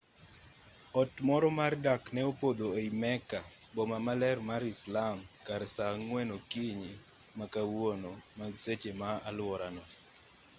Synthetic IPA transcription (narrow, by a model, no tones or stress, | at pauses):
ɔtmɔɾɔmardaknɛopod̪oeimɛkabomamalɛrmaɾislamkaɾɛsaŋwɛnokiɲi | makawonomaset͡ʃemaalwɔɾanɔ